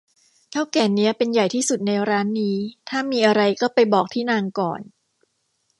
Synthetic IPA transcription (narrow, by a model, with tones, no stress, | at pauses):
k̪ʰaː˥˩wkɛː˧nːi˦˥ɐpe˧nja˨˩jt̪ʰiː˥˩su˨˩t̪̚na˧jɾaː˦˥nːiː˦˥t̪ʰaː˥˩miː˧ʔa˧ɾa˧jkɔː˥˩pa˧jbɔː˨˩k̚t̪ʰiː˥˩naː˧ŋkɔː˨˩n